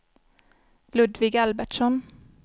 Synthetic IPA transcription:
lʉd̪ʋɪɡælbæʈʃɔn

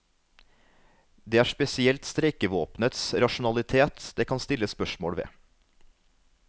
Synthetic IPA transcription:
d̪eːæːʂpɛsɪɛlt̪st̪ɾɛkəʋoːpnət̪sɾɑʃʊn̩ɑlɪt̪ʰeːt̪d̪eːkʰɑnst̪ɪləspœʃmo̰ːɽʋḛː

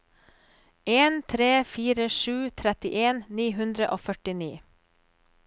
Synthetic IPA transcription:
eːnt̪ʰɾeːfiːɾəʃʉːt̪ʰɾɛt̪ɪʔeːnniːɦʉnd̪ɾəʔoːfœʈɪniː

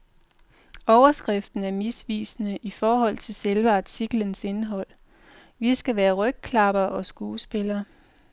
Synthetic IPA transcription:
ɒʊɐsɡ̥ʁɛfd̥n̩æɐmisʋḭːsnəʔifɒːɦɒ̽l̰t͡sʰe̝lselʋəɑ̈t͡sʰiɡ̥lənse̝nɦɒ̽l̰ | ʋisɡ̥æʋæːɐʁœɡ̥̚kʰlɑ̈b̥ɐʔɒ̽sɡ̥uːsb̥e̝lɐː

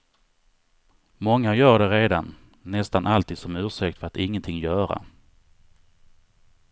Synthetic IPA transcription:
mɔŋːajœːɖɛɾeːd̪anː | ɛst̪anʔalt̪ʰiːd̪sɔmʉ̟ːʂɛk̚t̪fœɾat̪ɪŋːənt̪ʰɪŋːjœːɾa̰

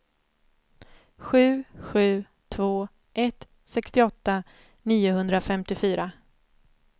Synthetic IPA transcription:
ɧʉ̟ːɧʉ̟ː | t̪ʰvoː | ʔɛt̪ | sɛkst̪ɪɔt̪ːa | niːʊɦɵnd̪ɾafɛmt̪ɪfyːɾa

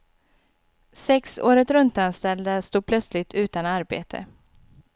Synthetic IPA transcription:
sɛkso̰ːɾət̪ɾɵnt̪anst̪ɛld̪əst̪uːpʰlœt̪slɪt̪ʰʉ̟ːt̪anaɾbḛːt̪ʰə̰

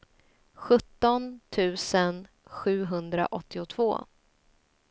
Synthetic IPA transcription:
ɧɵt̪ːɔnt̪ʰʉ̟ːsən | ɧʉ̟ːɦɵnd̪ɾa̰ʔɔt̪ːɪʊt̪ʰv̥o̰ː

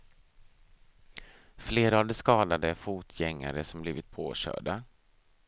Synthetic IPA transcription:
fleːɾaavd̪ɛskɑːd̪ad̪əfuːt̪ʰjɛŋːa̰ɾəsɔmbliːvɪt̪̚pʰoːɕœ̰ːɖa

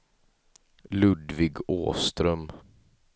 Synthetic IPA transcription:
lɵd̪vɪɡo̰ːst̪ɾœm

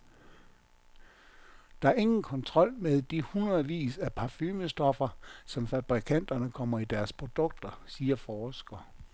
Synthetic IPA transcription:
d̥ɑ̈æɐe̝ŋn̩kʰɒ̽nt͡sʰʁɒ̽l̰meðˠd̥ihunʁɐð̩ˠʋḭːsæpʰɑ̈fyːməsd̥ɒ̽fɐsɒ̽mfæb̥ʁikʰæn̰d̥ɐnəkʰɒ̽m̰ɐid̥æɐspʰʁo̝d̥ɔ̽ɡ̥̚d̥ɐsiːɐfɒːsɡ̥ɐ

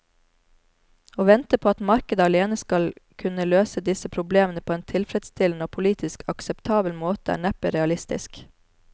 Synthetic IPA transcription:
oːʋɛnt̪əpʰoːɑt̪mɑɾkəd̪əɑleːnəskɑlkʰʉnəløːsəd̪ɪsəpʰɾʊbleːmənəpʰoːeːnt̪ʰɪlfɾɛt̪st̪ʰɪln̩əoːpʰʊliːt̪ɪskʰɑksɛpt̪ʰɑːbəlmoːt̪əæ̰ːɳæpɪɾɛɑlɪst̪ɪ̰sk

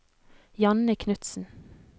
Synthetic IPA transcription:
jɑnəkʰnʉt̪sn̩

